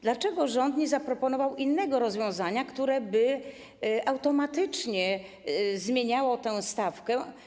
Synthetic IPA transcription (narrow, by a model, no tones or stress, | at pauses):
d̪lat͡ʂɛɡɔʐɔnt̪ɲɛzapɾɔpɔn̪ɔvawinːɛɡɔɾɔzvjɔ̃w̃zaɲakt̪uɾɛbɘ | awt̪ɔmat̪ɘt͡ʂɲɛ | zmʲjeɲawɔt̪ɛwst̪afkɛ